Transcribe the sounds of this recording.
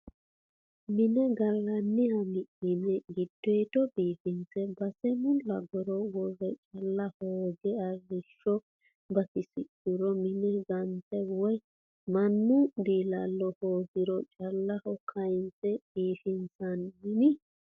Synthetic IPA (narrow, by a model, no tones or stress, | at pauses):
mɪnɛɡɐlːɐnːɪhɐmɪʔɪmɛɡɪd̪̥ːɔjt̪ɔbiːfɪnt͡sɛbɐsɛmʊlɐɡɔɾɔwɔrɛt͡ʃʼɐlːɐhoːɡɛɐrːɪʃːɔ | bɐkɪsɪtːʊɾɔmɪnɛɡɐnt̪ɛwɔj | mɐnːʊbiːlɐlːɔhoːɡɪɾɔt͡ʃʼɐlːɐhɔkʰːɐjɪnt͡sɛbiːfɪnt͡sɐnmɪnɪ